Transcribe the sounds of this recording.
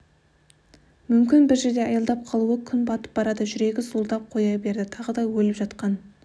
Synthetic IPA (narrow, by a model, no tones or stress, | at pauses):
mʏmkʲɪnbɪɾʒeɾd̪e̞ɑjɑlˠd̪ɑp̚qʰɑlˠuəkʲʰʏnbɑt̪ə̥p̚bɑɾɑd̪əʒʏɾe̞ɡʲɪzulˠd̪ɑp̚qʰo̞jɑjbe̞ɾd̪ɪt̪ʰɑʁəd̪ɑwɵlɪpʒɑt̪qɑn